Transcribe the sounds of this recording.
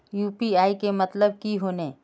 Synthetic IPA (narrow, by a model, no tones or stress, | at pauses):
juːpiaːikemɐt̪ləb̚kiɦoːneː